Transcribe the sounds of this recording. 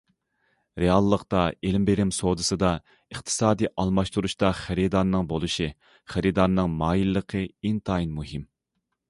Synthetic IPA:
ɾeɑlˠːəqt̪ɑelɪmbeɾɪmsod̪ɨsɨd̪ɑ | əχt̪ʰɨ̥sɑːd̪iʔɑlˠmɑʃt̪uɾuʃt̪ɑχɪɾɨd̪ɑɾnɨŋbolˠɨʃi | χæɾɨd̪ɑɾnɨŋmɑːjilːəqʰəint̪ʰɑinmuɦim

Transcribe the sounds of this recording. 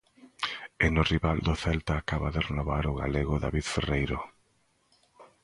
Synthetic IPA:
enʊriβald̪ʊθɛlt̪aːkaβaðerenoβaɾʊɣa̰leɣʊða̰βiðferejɾʊ

